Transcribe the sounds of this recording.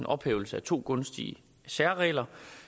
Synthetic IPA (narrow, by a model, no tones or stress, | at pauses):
nʔɒ̽b̥heːʊl̩səæt͡sʰo̝̰ːɡ̥ɔ̽nsd̥iə | sæɐʁɛ̰ːlɐ